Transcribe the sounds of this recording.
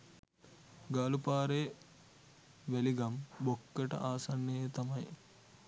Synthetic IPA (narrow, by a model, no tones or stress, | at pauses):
ɡaːlupaːɾe | ʋeliɡɐmbokːeʈɐ̰ʔaːsɐnːejt̪ɐmɐj